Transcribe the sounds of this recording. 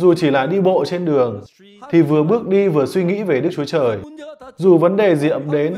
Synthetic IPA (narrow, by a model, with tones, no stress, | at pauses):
zu˨˩t͡ɕi˧˩la̰ː˧˩jɗi˧ɓo̰˧˨t͡ɕe˧nɗɨ˨˩əŋ | t̪ʰi˨˩vɨ˨˩əɓɨ˦˥ək̚ɗi˧vɨ˨˩əswi˧ŋḭ˧˥ve˨˩ɗɨ˦˥k̚t͡ɕu˨˦t͡ɕəː˨˩jzu˨˩və˨˦nɗe˨˩zi˨˩ʔə˧˩mɗe˨˦n